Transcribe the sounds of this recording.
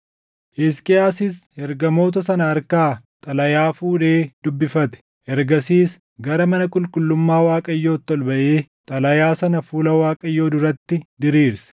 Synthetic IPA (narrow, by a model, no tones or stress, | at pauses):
ʔɪskʼɪaːsɪshɛɾɡɐmo̞ːt̪̬ɐsɐnɐːɾkaːt̪ʼɐlɐjaːfuːᶑe̞ːd̪̥ʊbːɪfɐt̪ɛ̥ | ʔɛɾɡɐsiːs | ɡɐɾɐmɐnɐkʼʊlkʼʊlːʊmːaːwaːkʼɐjːo̞ːt̪ːɔlbɐʔe̞ːt̪ʼɐlɐjaːsɐnɐfuːlɐwaːkʼɐjːo̞ːd̪ʊɾɐt̪ːɪd̪ɪɾiːɾsɐ̥